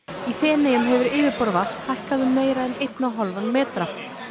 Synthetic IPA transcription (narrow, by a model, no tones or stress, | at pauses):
iθɛːnɛjʏmɦɛvʏɾɪːvɪpɔɾvashajhkaðʏmeːjɾaɛnejt̪naɦɔlvanmɛːt̪ɾa